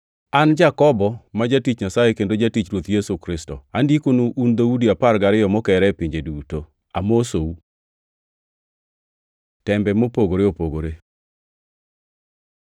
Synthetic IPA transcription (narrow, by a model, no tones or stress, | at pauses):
and͡ʒakɔbɔmad͡ʒatit͡ʃɲasajekendod͡ʒatit͡ʃɾwot̪jesukɾɪstɔ̰andikonuʔund̪audiapaɾɡaɾɪjɔmɔkɛɾɛpɪɲd͡ʒeduto | amosou | tɛmbɛmopoɡoɾeopoɡoɾe